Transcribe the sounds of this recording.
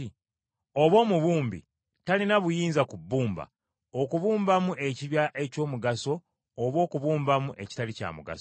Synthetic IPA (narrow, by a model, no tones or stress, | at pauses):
i | o̞βo̞ːmuβuːmbḭ | talinaβujiːnzakubːuːmba̰ | okuβuːmbamuʔe̞ciβjaʔe̞co̞ːmuɡaso̞ː | βo̞ːkuβuːmbamuʔe̞ci̥talica̰ːmuɡa̰s